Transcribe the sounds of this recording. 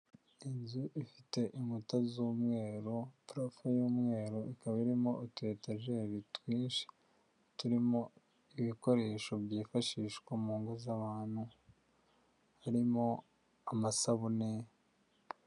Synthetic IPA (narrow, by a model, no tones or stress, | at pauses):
inzuʔifite̞ʔimutazuːmŋe̞ːɾopɾofejuːmŋe̞ːɾoikaβaiɾimo̞ːte̞taʒeɾitwiːnʃe̥ | tuɾimo̞ | iβiko̞ɾe̞ːʃo̞bjiːfaʃiːʃkwamuːŋɡozaβaːn̥hu | haɾimo̞ | amasaβune